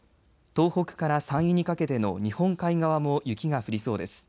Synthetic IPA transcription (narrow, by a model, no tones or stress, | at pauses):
t̪o̞ːho̞kɯ̟̥kaɾasãɰ̃jɯɲ̟ikake̞t̪e̞no̞̰ɲ̟ihõ̞ŋkaiɡaβamo̞jɯ̟kʲiɡaɸɯ̟ɾʲiso̞ːd̪e̞sɨ̥